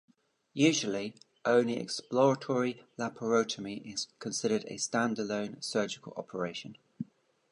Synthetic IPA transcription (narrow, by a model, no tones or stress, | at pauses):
jʉːʒəli | ʔə̃ʊ̃nliɛ̰ksplɔɹətʰɔɹilabʰəɹəʊtʰəmiʔɪz̥kʰə̃nsɪɾədə̰stãndələ̃ʊ̃nsɜːˑd͡ʒɪkʰəlɒ̰pʰəɹeɪʃə̃n